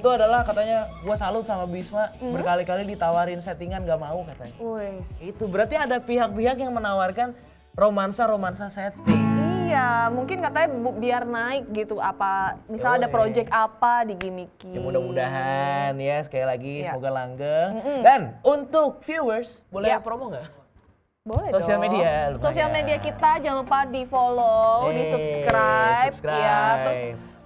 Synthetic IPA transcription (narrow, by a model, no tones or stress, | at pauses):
it̪uadalahkat̪aɲabuasalʊt̪̚samabismabərkalikalidit̪awaɾɪnsɛt̪iŋanɡaʔmaukat̪aɲait̪ubəɾart̪iadapiɦak̚piɦakjaŋmənawarkan | romansaɾomansasɛt̪ɪŋijamuŋkɪnkat̪aɲabbiarnaɪk̚ɡit̪uapamisaladapɾod͡ʒɛk̚t̪apadiɡimikiamudahmudaɦanjasə̥kajalaɡisəmoɡalaŋɡəŋm̩danunt̪ʊk̚fjuwərsbolɛpɾomoŋɡaʔ | bolɛsoialmediasosialmediakit̪ad͡ʒaŋlupadifolodisuskɾajps̚kɾjat̪ɾʊsp